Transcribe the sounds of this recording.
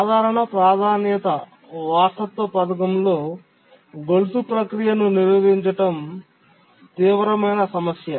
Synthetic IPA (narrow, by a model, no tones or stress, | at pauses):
saːd̪ʱaːɾɐɳɐpɾaːd̪ʱaːnjjɐt̪ɐ | ʋaːʈɐt̪ːoːpɐt̪ɐkɐmlo̞ː | ɡolut̪upɾɐkɾijɐnuniɾʋɐʋiɲt͡ʃɐʈɐm | t̪iːʋɐɾɐmɐjnɐsɐmɐsjɐ